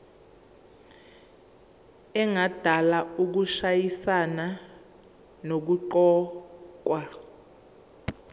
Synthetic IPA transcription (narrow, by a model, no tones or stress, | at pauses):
ɛŋad̥ʱalauk̬uʃajisana | nok̬uǃɔːk̬wa